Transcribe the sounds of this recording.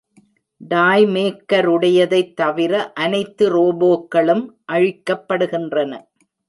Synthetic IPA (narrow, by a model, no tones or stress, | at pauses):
ɖaːjmeːkːɐɾʊɽɐjɐðɐɪt̪ːɐʋɪɾɐʔɐnɐɪt̪ːɯɾoːboːkːɐɭɯmʔɐɻɪkːɐpːɐɽɯɣɪndrɐnɐ